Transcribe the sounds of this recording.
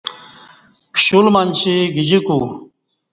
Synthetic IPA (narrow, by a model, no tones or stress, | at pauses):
kɕulmanɕiɡid͡ʑiku